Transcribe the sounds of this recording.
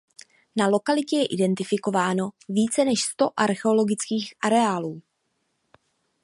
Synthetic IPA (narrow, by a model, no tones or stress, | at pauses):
nalo̞kalɪcɛjɛʔɪdɛnt̪ɪfɪko̞vaːno̞viːt͡sɛnɛʃst̪o̞ʔaɾxɛo̞lo̞ɡɪt͡skiːxʔaɾɛaːluː